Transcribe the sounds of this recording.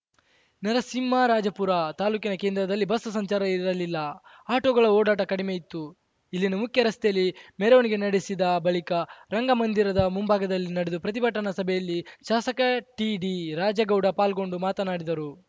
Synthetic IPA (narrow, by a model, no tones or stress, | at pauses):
nɐɾɐsimːaɾaːd͡ʒɐpuɾat̪aːluːkinɐke̞ːnd̪ɾɐd̪ɐlːibɐsɐsɐɲt͡ʃaːɾɐiɾɐlilːɐ | aːʈoːɡɐɭɐoːɽaːʈɐkɐɽimejit̪ːu | ilːinumukʰjɐɾɐst̪ejɐlːimeɾɐʋɐniɡe̞nɐɽisid̪ɐbɐɭikɐɾɐŋɡɐmɐnd̪iɾɐd̪ɐmumbʱaːɡɐd̪ɐlːinɐɽed̪upɾɐt̪̬ibɐʈːɐnɐsɐbʱɛjɐlːiʃaːsɐkɐʈiɖiɾaːd͡ʒɐɡɐwɽɐpaːlɡo̞ɳɖumaːt̪ɐnaːɽid̪ɐɾu